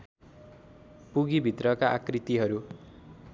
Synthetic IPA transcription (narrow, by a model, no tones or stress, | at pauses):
puɡibʱit̪rʌkaʔakrit̪iɦʌɾu